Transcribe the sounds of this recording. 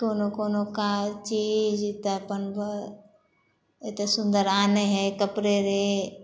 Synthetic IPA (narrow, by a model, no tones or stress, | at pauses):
koːnokoːnokat͡ʃiːd͡ʒt̪epənbə | et̪esʊ̃nd̪əɾaːneɦɛkəpɾeɾe